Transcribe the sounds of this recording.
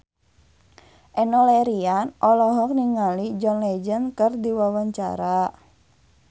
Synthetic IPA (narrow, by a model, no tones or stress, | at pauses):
ʔɛnɔleɾianʔɔlɔɦɔk̚niŋalid͡ʒɔnlɛd͡ʒənkərdiwawaɲt͡ʃa̰ɾa